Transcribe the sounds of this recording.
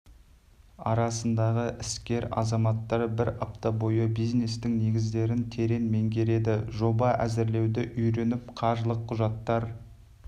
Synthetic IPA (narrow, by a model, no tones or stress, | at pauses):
ɑɾɑsənd̪ɑʁəʔɪskʲe̞ɾɑ̰zɑmɑt̪ːɑɾbɪɾɑpt̪ɑbo̞jəbijzne̞st̪ɪŋne̞ɡʲɪzd̪e̞ɾɪnt̪ʰe̞ɾe̞nme̞ŋkʲʰe̞ɾe̞d̪ɪʒo̞bɑʔæzɪɾle̞wd̪ɪʔʏjɾe̞nɪp̚qʰɑʒlˠəqʰːʊʒɑt̪ːɑɾ